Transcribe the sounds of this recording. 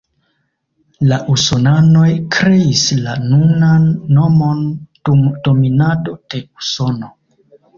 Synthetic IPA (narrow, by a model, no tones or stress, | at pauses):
laʔusonano̞jkɾe̞islanunanːo̞mo̞n | d̥o̞minado̞d̥e̞uso̞no̞